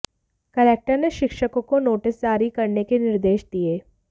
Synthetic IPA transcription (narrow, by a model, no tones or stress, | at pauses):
kɐleːk̚ʈəɾneʃɪkʃəkõkonoːʈɪsd͡ʒaːɾikɐɾnekenɪɾd̪eːʃd̪ieː